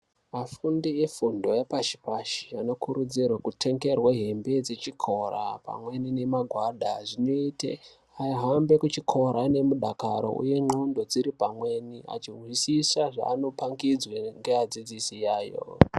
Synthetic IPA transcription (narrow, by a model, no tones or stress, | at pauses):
mafundie̞fundo̞jepat͡ʃi̥paʃi̥ano̞kʰuɾud͡zirwakutʰe̞ŋɡe̞rwaɦe̞mbe̞d͡ze̞t͡ʃikʰo̞ra̰pa̰mwe̞nine̞maɡʱwaɗʱaʐino̞itḛ | aiɦambe̞kut͡ʃikʰo̞ɾane̞muɗakaɾo̞̰ṵje̞ŋ͡ǃundo̞d͡ziɾipamwe̞nia̰t͡ʃirwisisaʐa̰ːno̞paŋɡid͡zweŋɡead͡zid͡zisijaːjo̞̰